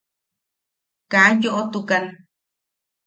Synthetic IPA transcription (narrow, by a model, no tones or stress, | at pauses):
kajoʔot̪ukan